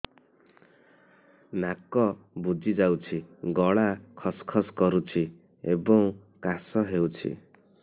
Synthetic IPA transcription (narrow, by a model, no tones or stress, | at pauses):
nakɔbud͡ʒid͡ʒawt͡ʃʰiɡɔɭakʰɔskʰɔskɔɾut͡ʃʰi | ebɔŋkasɔɦewt͡ʃʰḭ